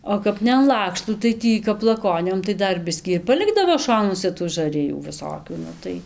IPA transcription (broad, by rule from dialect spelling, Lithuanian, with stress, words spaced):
oː ˈkɐp nʲɛ ɐn ˈlˠɑːkʃtuː tɐɪ ˈtʲiː kɐp lˠɐˈkoːnʲoːm tɐɪ ˈdɐr ˈbʲɪsʲkʲiː ɪr pɐˈlʲɪɡdɐʋoː ˈʃoːnuɔsʲɛ tuː ʒɐˈrʲɪjuː ʋʲɪˈsoːkʲuː ˈnʊ tɐɪ